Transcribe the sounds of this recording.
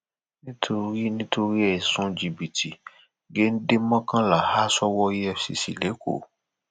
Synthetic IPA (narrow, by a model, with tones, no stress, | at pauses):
nĩ˦tʰo˧ɾi˦nĩ˦tʰo˧ɾi˦ɛ˨sũ˦d͡ʒi˨bi˨ti˨ | ɡe˦n̩˦de˦mã˦kã˦la˨ha˦sɔ˦wɔ˦ɛ˧fsḭ˨sḭ˨le˨˦ko̰˦˨